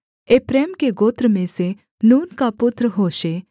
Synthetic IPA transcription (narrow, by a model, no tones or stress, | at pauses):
epɾeːmkeɡoːt̪ɾəmẽse | nuːnkapʊt̪ɾəɦoːʃe